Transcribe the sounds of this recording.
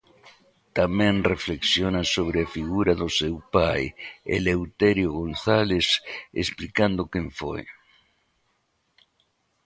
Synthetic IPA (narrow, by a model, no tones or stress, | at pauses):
t̪amẽnrefleksjonasoβ̞ɾeafiɣuɾaðosewpajḛlewt̪eɾjoɣõnθalesḛsplikand̪okẽɱfo̰j